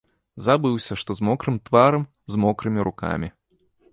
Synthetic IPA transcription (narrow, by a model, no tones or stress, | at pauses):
zabɨwsʲɐʂt̪ɔzmɔkɾɨmt̪vaɾɐm | zmɔkɾɨmʲiɾuka̰mʲi